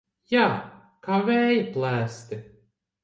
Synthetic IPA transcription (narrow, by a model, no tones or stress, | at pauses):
jaː | kavʲæːjɪplˠæːst̪ɪ